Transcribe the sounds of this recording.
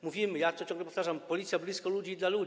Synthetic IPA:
muvʲimɘjat̪ɔt͡ɕɔ̃ŋɡlɛpɔft̪aʐampɔlʲit̪sʲjablʲiskɔlud͡ʑid̪lalu

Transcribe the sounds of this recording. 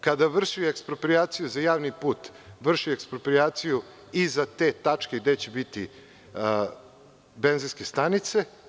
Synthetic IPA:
kad̪aʋr̩ʃiekspɾopɾijaːt̪sijuzajaːʋnipuːt̪ʋr̩ʃiekspɾopɾiaːt̪siju | izat̪e̞t̪at͡ʂke̞ɡd̪e̞t͡ɕebit̪i | be̞nzinske̞st̪anit̪se̞

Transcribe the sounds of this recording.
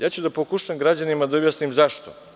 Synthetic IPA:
jaːt͡ɕud̪apokuʃemɡɾad͡ʑanimad̪aobjasnimzaʃt̪o

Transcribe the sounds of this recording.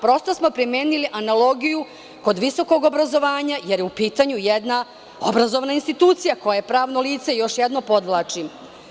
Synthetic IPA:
pɾo̞st̪osmo̞pɾimeːniliʔanalˠo̞ɡiju | ko̞d̪ʋiso̞ko̞ɡo̞bɾazo̞ʋaːɲajeɾjeupiːt̪aɲujed̪na | o̰bɾazo̞ʋnainst̪it̪uːt̪sijako̞jajepɾaːʋno̞liːt̪se̞jo̞ʃjɛd̪no̞po̞d̪ʋlˠaːt͡ʃi

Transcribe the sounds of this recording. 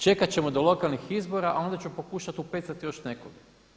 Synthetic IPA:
t͡ʃe̞kat͡ɕe̞mo̞d̪o̞lˠo̞kalnixizbo̞ɾaʔao̞nd̪at͡ɕupo̞kuːʃat̪upet̪sat̪ijo̞ʃne̞koɡa

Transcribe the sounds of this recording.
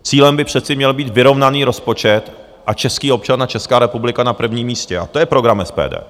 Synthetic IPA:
t͡siːlɛmbɪpr̝̥ɛt̪t͡sɪmɲɛlbiːt̪vɪɾo̞vnaniːɾo̞spo̞t͡ʃɛt̪ | ʔat͡ʃɛskiːo̞p̚t͡ʃanat͡ʃɛskaːɾɛpublɪkanapr̩vɲiːmːiːscɛʔat̪o̞jɛpɾo̞ɡɾamɛspɛ̰ːdɛ̰ː

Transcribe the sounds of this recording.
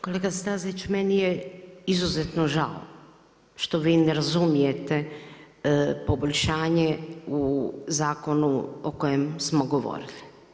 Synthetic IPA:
ko̞leɡast̪azit͡ʃmenijeizuzet̪noʒa̰o̰ | ʃt̪o̞ʋiːnɛɾazumijet̪e | po̞bolʎʲʃaːɲeuzaːko̞nuo̰kojemsmoɡo̞ʋo̰ɾili

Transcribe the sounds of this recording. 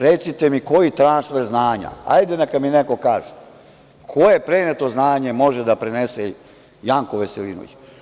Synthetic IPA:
ɾet̪sit̪emiko̞jit̪ɾansfeɾznaːɲa̰a̰jd̪enakad̪mineko̞kaːʒe | kʰo̞je̞pɾenet̪o̞znaːɲe̞mo̞ʒed̪apɾenese | jaŋkoʋeselino̰ʋḭt͡ɕ

